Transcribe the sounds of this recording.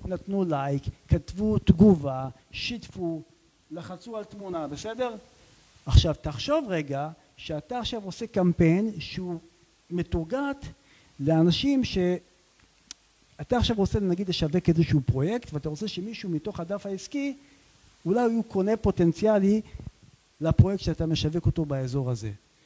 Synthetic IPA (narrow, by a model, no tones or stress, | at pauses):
natnulajkːatvut̪ɡuva | ʃitfu | laχat͡sualtmunabese̞de̞ʁ | aχʃavtaχʃo̞vʁeɡa | ʃeataːχʃavo̞se̞kampe̞jnʃeu | me̞tuʁɡat̪ | leanaʃimʃe̞ | ataːχʃavʁo̞t͡se̞lenaɡid̪le̞ʃavekezeʃuupʁo̞je̞kt̪veataʁot͡se̞ʃe̞miʃumito̞χadafaiski | ulajuko̞ne̞po̞te̞nt͡sjali | lapʁo̞jek̚t̪ʃeatame̞ʃave̞ko̞to̞baezo̞ʁaze̞̰